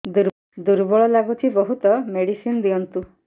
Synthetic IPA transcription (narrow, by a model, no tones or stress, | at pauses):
d̪uɾ | d̪uɾbɔɭɔlaɡut̪ʰibɔɦut̪ɔmeɽisind̪iɔnt̪u